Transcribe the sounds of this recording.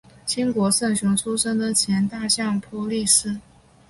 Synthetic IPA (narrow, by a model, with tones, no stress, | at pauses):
t͡ɕʰi˥ŋkwɔ˧˥sɤ˥˩nɕu˧˥ŋʈ͡ʂʰu˥ʂɤ˥ŋd̪ə˨t͡ɕʰjɛ˧˥nt̪a˥˧ɕjɑ˥˩ŋpʰɔ˧˥li˥˩ʂɹ̩˥